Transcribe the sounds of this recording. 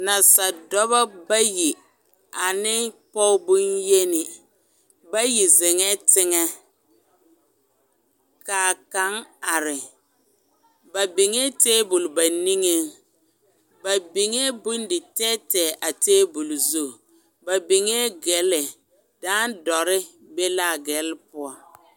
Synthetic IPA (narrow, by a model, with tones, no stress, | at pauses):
na˨sa˨dɔ˦βa˦ba˦ji˨ | a˨nɪ˦pɔ˦bu˦nje˦nɪ˨ | ba˦ji˨zɪ˨ŋɛ˦tɪ˦ŋɛ˦ | kaː˨ka˦ŋa˨ɾɪ˨ | ba˨bi˨ŋe˦teː˦bu˨lba˨ni˦ŋe˦ŋ | ba˨bi˨ŋe˦bu˦n˦dɪ˨tɛː˦tɛː˨ʔa˨teː˦bu˨lzu˦˨ | ba˨bi˨ŋe˦ɡɛ˨˦lɪ˨ | daː˦n˦dɔ˨ɾɪ˦ | be˦la˦˨ɡɛ˨˦lpʊ˦ɔ˨